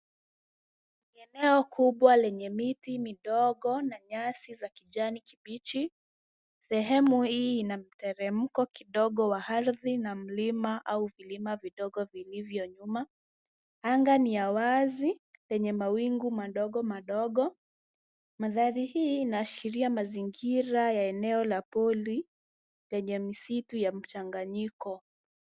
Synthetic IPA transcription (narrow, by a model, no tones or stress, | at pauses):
niɛnɛɔkʰuɓwalɛɲɛmitimiɗɔɠɔnaɲasizakiʄanikiɓit͡ʃi | sɛɦɛmuhiːnam̩tɛɾɛm̩kɔkiɗɔɠɔwaaɾðinam̩limaʔauvilimaviɗɔɠɔvilivjɔɲuma | aŋɡanijawazilɛɲɛmawiŋɡumaɗɔɠɔmaɗɔɠɔ | maðaɾihiːnaːʃiɾiamaziŋɡiɾajaɛnɛɔlapɔli | lɛɲɛmisitujam̩t͡ʃaŋɡaɲikɔ